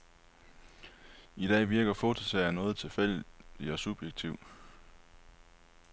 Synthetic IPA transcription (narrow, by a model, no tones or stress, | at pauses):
id̥ɛ̰ːʋiɐɡ̥ɐfo̝t͡sʰo̝sɛɐnɔ̽ːð̞̩ˠt͡sʰe̝lfel̰d̥iɒ̽sub̥jeɡ̥̚t͡sʰiʊ